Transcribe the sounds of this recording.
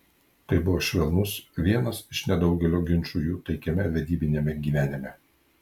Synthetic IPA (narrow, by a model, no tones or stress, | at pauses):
t̪ɐɪbʊʋoːʃʲʋʲɛlˠnʊsʋʲiɛnɐsɪʃnʲɛd̪ɒʊɡʲɛlʲoːɡʲɪnʲt͡ʃujuːt̪ɐɪkʲɛmʲɛʋʲɛd̪ʲiːbʲɪnʲemʲɛɡʲiːʋʲæːnʲɪmʲɛ